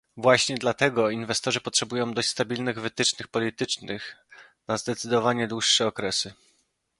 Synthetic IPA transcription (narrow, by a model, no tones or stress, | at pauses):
vwaɕɲɛd̪lat̪ɛɡɔinvɛst̪ɔʐɘpɔtʂɛbujɔ̃w̃d̪ɔɕt͡ɕʲst̪abʲilnɘɣvɘt̪ɘt͡ʂnɘxpɔlʲit̪ɘt͡ʂnɘx | nazd̪ɛt̪sɘd̪ɔvaɲɛd̪wuʂːɛɔkɾɛsɘ